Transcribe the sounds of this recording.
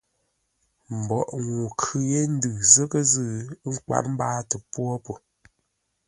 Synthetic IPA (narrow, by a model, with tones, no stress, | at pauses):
m̩˨bɔ˨ʔŋu˨kʰɯ˦je˦n̩˦dɨ˨zə˦kə˦zɨ˦˨˦ŋ̩˦ka̰˨ʔm̩˦baː˦tə˨pwɔ˦po˨